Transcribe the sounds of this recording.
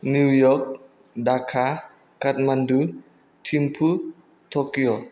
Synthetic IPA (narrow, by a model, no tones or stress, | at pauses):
nuwjɔk̚ | dakʰa | kat̪̚mandu | tʰimpʰu | t̪ʰokijo